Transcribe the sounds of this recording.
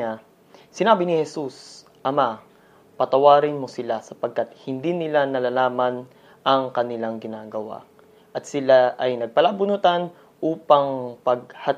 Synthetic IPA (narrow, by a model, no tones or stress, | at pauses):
a | sɪnaːbɪnɪhɛsus | ʔɐma | pɐt̪ɐwaːɾɪnmosɪlasɐpɐɡ̚kat̪̚hɪnd̪inɪlanɐlalaːmɐn | ʔɐŋkɐnɪlaŋɡɪnaːɡɐwa̰ | ʔɐt̪sɪlaʔɐjnɐɡ̚pɐlabʊnʊt̪an | ʔuːpɐŋpɐɡ̚hɐ